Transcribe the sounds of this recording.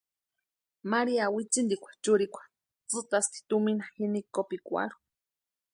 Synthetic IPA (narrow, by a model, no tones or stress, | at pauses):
maɾiawit͡sind̪ikʷʰḁt͡ʃuɾikʷʰḁ | t͡sɨt̪ast̪i̥t̪uminahinikopikʷa̰ɾu̥